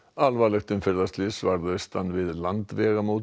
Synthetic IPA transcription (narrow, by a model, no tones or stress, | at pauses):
alvalɛxt̪ʏmfɪɾðast̪lɪsvaɾðʏst̪anːvɪðlant̪vɛːɣamoːt̪